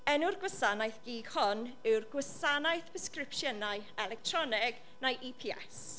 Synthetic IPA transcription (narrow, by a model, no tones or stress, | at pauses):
ɛnurɡwəsanajθɡ̥iːɡ̥hɔnɪwrɡwəsanajθbəskrɪpʃjənajɛlɛk̚tʰrɔnɪɡ | najʔipʰiɛ̰s